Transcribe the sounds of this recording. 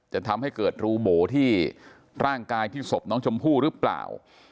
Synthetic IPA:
t͡ɕa˨˩t̪ʰa˧mha˥˩jkɤː˨˩t̪̚ɾuː˧boː˩˦t̪ʰiː˥˩ | ɾaː˥˩ŋkaː˧jt̪ʰiː˥˩so˨˩p̚nɔː˦˥ŋt͡ɕʰo˧mpʰuː˥˩ɾɯ˦˥pla̰ː˨˩w

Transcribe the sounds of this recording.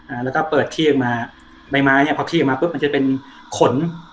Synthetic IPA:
ʔaː˨˩lɛ˦˥wkɔː˥˩pɤː˨˩t̪̚ʰiː˥˩ɯ˨˩maː˧ | ba˧jmaː˧˥ni˥˩˨pʰɔ˧t̪ʰiː˥˩˨maː˧pɯ˦˥p̚ma˧nt͡ɕa˨˩pe˧n | kʰo˨˩˦n

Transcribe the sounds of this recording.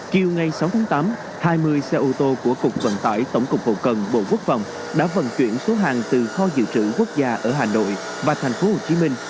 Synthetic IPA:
ki˨˩əwŋa˨˩jsa˨˦wt̪ʰːŋt̪aː˨˦m | haː˧jmɨ˧əjsɛ˧ʔo˧t̪o˧ku˧˩əkʊ˨˩k͡p̚və̰˧˨nt̪a̰ː˧˩jt̪ə˧˩wŋ͡mkʊ˨˩k͡p̚ːo̰˧˨˩k͡p̚kə˨˩nɓo̰˧˨ku˦˥ək̚fa̰˧˨˩wŋ͡m | ɗa̰ː˧˥və̰˧˨nt͡ɕwi˧˩ənso˨˦ɦa̰ː˨˩ŋt̪ɨ˨˩xɔ˧zɨ̰˧˨t͡ɕɨ̰˧˩ku˦˥ək̚zaː˧ʔəː˧˩ɦaː˨˩no̰˧˨j | vaː˨˩t̪ʰa˨˩jŋ̟fo˨˦ho˨˩t͡ɕi˨˦mï˧ŋ̟

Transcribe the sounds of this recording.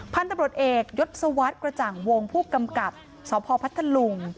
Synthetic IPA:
pʰa˧nt̪a˧mɾu˨˩t̪ʔeː˨˩k̚jo˦˥t̪̚sa˧wa˦˥t̪̚kɾa˧t͡ɕaː˨˩ŋwo˧ŋpʰuː˥˩ka˧mka˨˩p̚ | sɔː˩˦pʰɔː˧pʰa˦˥t̪ʰːa˧lu˧ŋ

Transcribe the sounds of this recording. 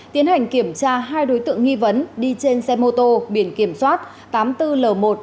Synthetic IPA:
t̪i˨˦ənha˨˩jŋ̟ki˧˩əmt͡ɕaː˧ɦaː˧jɗo˨˦jt̪ɨ̰˧˨əŋːi˧və˨˦nɗi˧t͡ɕe˧nsɛ˧mo˧t̪o˧ɓi˧˩ənki˧˩əmswaː˦˥t̚ | t̪aː˨˦mt̪ɨ˧ləː˨˩mo˨˩t̚

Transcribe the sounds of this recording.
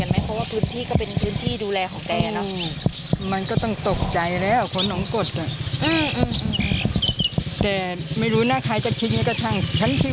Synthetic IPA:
ka˧˨nma˧˥˩pʰɔ˧˥waː˥˩pʰɯː˧˥nt̪ʰiː˥˩kɔ˥˩pe˨npʰɯː˧˥nt̪ʰiː˥˩duː˧lɛː˧kʰɔː˨˦ŋkɛː˧a˨˩nɔ˧˥ | ma˧nkɔː˧˥˩t̪ɔ˧˥˩ŋt̪o˨˩k̚t͡ɕa˨˧jlɛː˧˥˩wkʰo˧˥˨nːɔː˨˦ŋko˨˩t̪̚a˨˩ʔɯː˧˩ʔɯː˧˩mʔɯ˧˩mʔ | t̪ɛː˨˩ma˥˩jɾuː˦˥naː˧˥˩kʰaː˧˩jt͡ɕa˨˧˩kʰi˧˥t̪̚ɲaː˧˥ka˧˩t̪ʰa˧˥˩ŋt͡ɕʰa˦˥˨nt̪ʰiː˧˩

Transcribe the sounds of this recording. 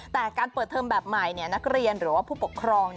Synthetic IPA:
t̪ɛː˨˩kaː˧npəɤː˨˩t̪ʰːɤː˧mbɛː˨˩p̚ma˨˩jni˥˩ɐna˦˥k̚ɾi˧ənɾɯː˩˦waː˥˩pʰuː˥˩po˨˩kʰɾɔː˧ŋn˩

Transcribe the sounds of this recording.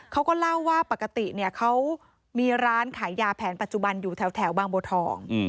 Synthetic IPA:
kʰa˦˥wkɔː˥˩la˥˩wːaː˥˩pa˨˩kːa˧t̪i˨˩ni˥˩ɐkʰa˦˥w | miː˧ɾaː˦˥nkʰaː˩˦jːaː˧pʰɛː˩˦npa˨˩t̪̚t͡ɕu˨˩ba˧njuː˨˩t̪ʰɛː˩˦wt̪ʰɛː˩˦wbaː˧ŋboː˧t̪ʰɔː˨˩˦ŋ

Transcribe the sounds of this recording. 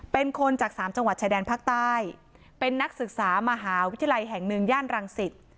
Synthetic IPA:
pe˧nkʰo˧nt͡ɕaː˨˩k̚saː˩˦mt͡ɕa˧ŋwa˨˩t͡ɕaː˧jdɛː˧npʰaː˥˩k̚t̪aː˥˩j | pe˧nːa˦˥k̚sɯ˨˩k̚saː˩˦ma˧ɦaː˩˦wt̪ʰi˧ja˧la˧jɦɛ˨˩ŋnɯ˧ŋjaː˥˩nɾa˧ŋsi˨˩t̪̚

